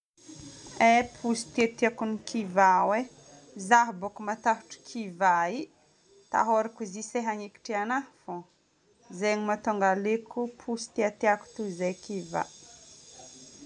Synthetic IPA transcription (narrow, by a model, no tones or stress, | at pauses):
epʰusi̥t̪iat̪iakunikʰivawe | zaɦbokumat̪aɦu̥ʈ͡ʂi̥kʰivai | t̪a̰ɦoɾakuziseɦaŋeki̥ʈ͡ʂianafo | zeɲimat̪oŋɡalekupʰusi̥t̪iat̪eaku̥t̪uzejkiva̰